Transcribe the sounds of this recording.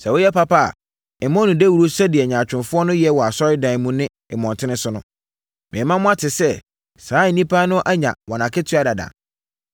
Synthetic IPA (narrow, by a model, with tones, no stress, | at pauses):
sɛ˨wo˦jɛ˦pa˦pʰa˦a̰˨ | ɪ˨mɔ̃˦nʊ̃˨de˦wu˨ɾo˦sɛ˦dɪ˨ɛ˨ɲã˨t͡ɕᶣɪ̃˨nfʊ˦ɔ˦nʊ̃˦jɛ˦wɔ˨a˨sɔ˦ɾɪ˦dã˨mũ˦nɪ̃˦ | ɪ˨mɔ̃˨ntʰɪ˦nɪ̃˦sʊ˦nʊ̃˦ | mɪ̃˨ɛ˨mã˦mʊ̃˦a˦tʰɪ˨sɛ˦ | saː˨˦˨nĩ˦pʰa˦nʊ̃˦ʔa˦ɲã̰˨wɔ˨nã˨kʰɪ˦tʰɥa˦˨da˨dã̰˨